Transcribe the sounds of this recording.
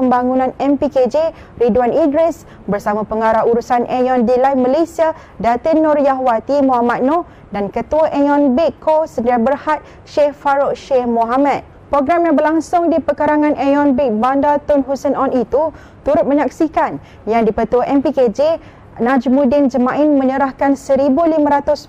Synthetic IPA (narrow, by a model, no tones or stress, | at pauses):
pəmbaŋunãnɛmpiked͡ʒe | ridwanidɾɛs | bərsamãpəŋaɾaɦuɾusanʔɛjɔndilajmalesia | dat̪ənɔɾjaɦwat̪imɔ̃ɦamat̪̚nɔ | dankət̪uaʔɛjɔnbikkʰːosəndiɾabərhat̪̚ | ʃɛhfaɾoʔʃɛhmɔɦamãt̪̚ | pɾoɡɾamjaŋbərlaŋsʊŋdipəkəɾaŋãnʔɛjɔnbik̚bandat̪ɔnɦusənɔnit̪u | t̪uɾʊt̪̚mə̃ɲak̚sikan | jaŋdipət̪uaʔɛmpiked͡ʒe | nãd͡ʒmudɪnd͡ʒəmãʔɪnmə̃ɲəɾahkansəɾibulimãɾat̪ʊs